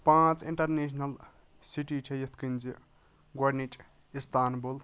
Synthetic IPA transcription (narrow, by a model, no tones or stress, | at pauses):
pãːt͡sḭɳʈɐrnesʰnɐl | siʈiʈʰejet̪ʰkind͡zi | ɡwaɖnit͡ʃʼ | ist̪ʰaːnbul